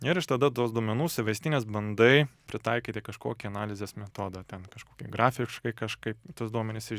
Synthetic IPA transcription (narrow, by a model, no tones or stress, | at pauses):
ɪɾɪʃt̪ɐd̪ɐt̪uɔsd̪uɔmʲɛnuːsʲɪʋʲɐɪst̪ʲɪnʲeːsbɐnd̪ɐɪpʲɾʲɪt̪ɐɪkʲiːt̪ʲɪkɐʃko̰ːkʲiɐnɑːlʲɪzʲeːsmʲɛt̪oːd̪ɐt̪ʲɛnkɐʃkoːkʲḭɡɾɑːfʲɪʃkɐɪkɐʃkɐɪpt̪ɐsd̪uɔmʲɛnʲɪsɪ